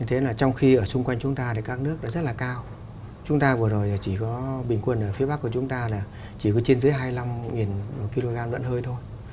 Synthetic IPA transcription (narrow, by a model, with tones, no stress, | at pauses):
ɲɨ˧t̪ʰe˨˦laː˨˩t͡ɕɔ˧wŋ͡mxi˧ʔəː˧˩sʊ˧ŋ͡mkwa˧jŋ̟t͡ɕʊ˨˦ŋ͡mt̪aː˧t̪a˨˦kaː˦˥k̚nɨ˦˥ək̚ɗa̰ː˨˦zə˦˥t̚laː˨˩kaː˧w | t͡ɕʊ˨˦ŋ͡mt̪aː˧vɨ˨˩əzo˨˩jlaː˨˩t͡ɕi˧˩kɔ˨˦ɓï˨˩ŋ̟kwə˨˧˩nʔəː˧˩fi˨˦bɓa˦˥kːə˨t͡ɕʊ˨˦ŋ͡mt̪aː˧laː˨˩ | t͡ɕi˧˩kɔ˨˦t͡ɕe˧nzɨ˨˦əjɦaː˧jla˧mŋi˨˩n˨˩ki˧lo˧ɣaː˧mlə̰˧˨nhəː˧jt̪ʰo˧j